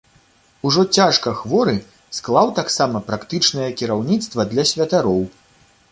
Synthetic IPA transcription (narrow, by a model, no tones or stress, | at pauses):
uʐɔt͡sʲaʂkɐxvɔɾɨ | sklˠawt̪aksamɐpɾakt̪ɨt͡ʂnɨjɐkʲiɾawnʲit̪st̪vɐd̪lʲɐsʲvʲɐt̪aɾɔw